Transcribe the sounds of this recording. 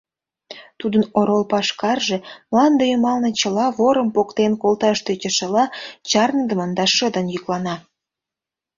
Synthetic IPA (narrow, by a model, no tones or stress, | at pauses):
t̪ud̪ənoɾolpɑʃkɑrʒemlɑnd̪ejomɑlnet͡ɕəlɑβoɾə̆mpokt̪enkolt̪ɑʃt̪øt͡ɕə̆ʃəlɑt͡ɕɑrnd̪əmənd̪ɑʃəd̪ənjyklɑnɑ